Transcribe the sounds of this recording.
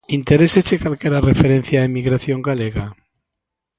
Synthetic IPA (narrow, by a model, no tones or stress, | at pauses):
int̪eɾesezekalkeɾarefeɾẽn̟θjaemiɣɾaθjo̞ŋɡaleɣa